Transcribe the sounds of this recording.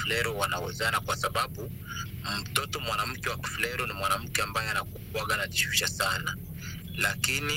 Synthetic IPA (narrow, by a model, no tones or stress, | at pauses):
flɛɾɔwanawɛ̰zanakwasaɓaɓu | m̩tɔtɔmwanam̩kɛwaki̥flɛɾɔnimwanam̩kɛambajɛanakukwaɡanaʄiʃwiʃasana | lakini